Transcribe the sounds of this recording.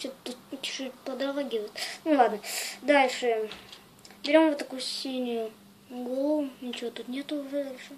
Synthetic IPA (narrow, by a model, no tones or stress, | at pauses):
t͡ɕot̪t̪ːut̪tʲɪ̥ʂɨpəd̪ɾɐlˠaɡʲɪvət̪nulˠad̪nəd̪alʲʂɨ | bʲɪɾʲo̞mvot̪ːɐkujʊsʲinʲʊjʊ | ɡolˠʊnʲɪt͡ɕɪvot̪ut̪nʲet̪ʊːʐɛd̪alʲʂɨ